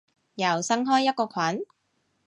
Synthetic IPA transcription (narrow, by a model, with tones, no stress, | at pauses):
jɐ˨˩wsɐ˥ŋɦɔː˥jːɐ˥t̚kɔː˧kʰɐː˨˥n